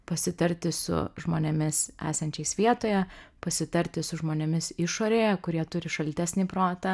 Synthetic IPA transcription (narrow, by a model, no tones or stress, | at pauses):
pɐsʲɪt̪ɐɾʲt̪ʲɪsʊ̰ʒmoːnʲɛmʲɪsæ̰ːsɐnʲt͡ʃʲɛɪsʋʲiɛt̪oːjɛpɐsʲɪt̪ɐɾʲt̪ʲɪsʊʒmoːnʲɛmʲɪsɪʃoːɾʲeːjɛkʊɾʲiɛt̪ʊɾʲɪʃɐlʲt̪ʲæːsʲnʲiːpɾoːt̪ɐ